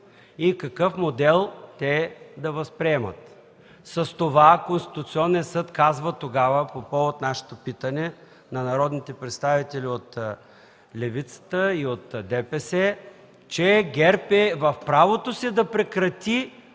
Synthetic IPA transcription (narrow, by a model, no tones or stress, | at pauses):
ikɐkɤfmod̪ɛlˠt̪ɛd̪ɐvɐspɾiɛmə̰t̪ | səst̪ovakonst̪i̥t̪ʊt̪siɔnːiəsɤt̪kazvət̪oɡavəpopɔvot̪naʃɛ̥t̪opit̪ənɛ | nɐnɐɾɔd̪nit̪ɛpɾɛt̪st̪avit̪ɛliot̪ | lɛvit̪sə̥t̪əiot̪d̪ɛpɛsɛ | t͡ʃɛɡɛɾpɛvɐfpɾavot̪osɛd̪ɐpɾɛkɾɐt̪i